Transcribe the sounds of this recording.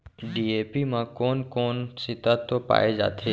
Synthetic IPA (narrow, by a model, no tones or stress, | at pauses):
ɖiepimãkonkonsɪt̪at̪opa̰ed͡ʒa̰t̪ʰe